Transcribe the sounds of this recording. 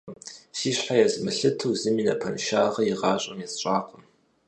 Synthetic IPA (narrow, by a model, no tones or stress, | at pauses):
siːɕħajɛzmɨɬɨtʰɨwzɨmiːnɐpʰɐnʃaːʁɐjiʁɑːɕʷʼɐmjɛst͡ʃʼaːqʷəm